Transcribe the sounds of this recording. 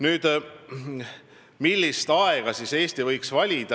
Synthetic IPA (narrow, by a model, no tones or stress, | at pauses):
nyːd̪̥ | milʲːist̪ɑeɡ̥ɑsise̞ːst̪ivɤjksvɑlʲid̪̥ɑ